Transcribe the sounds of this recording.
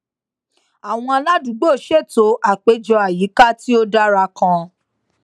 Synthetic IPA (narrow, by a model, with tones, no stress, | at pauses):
a˨w̃ɔ̃˧a˧la˦du˨˦ɡ͡bo˦˨ʃe˦˨to˨˦ʔa˨k͡pe˨˦d͡ʒɔ˧a˨ji˨˦ka˦ti˦o˦da˦ɾa˧kã˧